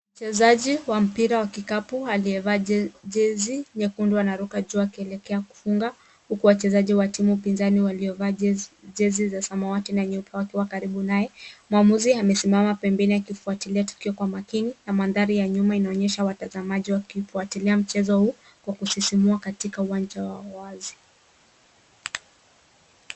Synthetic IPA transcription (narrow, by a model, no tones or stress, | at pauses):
m̩t͡ʃɛzaʄiwam̩piɾawakikapualiɛvaːʄɛziɲɛkunduanaɾukaʄuakiɛlɛkɛaku̥fuŋɡa | hukuwat͡ʃɛzaʄiwatimuupinzaniwaliɔvaːʄɛzizasamawatinaɲɛupawakiwakaɾiɓunajɛmuamuziamɛsimamapɛmbɛnijakifuatiliatu̥kiɔkwamakininamanðaɾijaɲumainaɔɲɛʃawatazamaʄiwakifuatiliam̩t͡ʃɛzɔhuː | kwakusisimuakatikauwand͡ʒawawazi